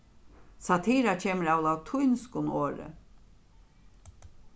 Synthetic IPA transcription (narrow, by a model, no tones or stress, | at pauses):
sat̪ʰiːɾat͡ʃʰeːməɾaːwlawt̪ʰʊjnskʊnoːɾə̰